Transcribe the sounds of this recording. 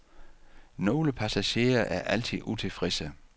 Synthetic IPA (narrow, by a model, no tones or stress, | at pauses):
no̝ːləpʰæsæɕe̝̰ːɐʔæɐʔæl̰t͡sʰið̰ˠut͡sʰe̝fʁesə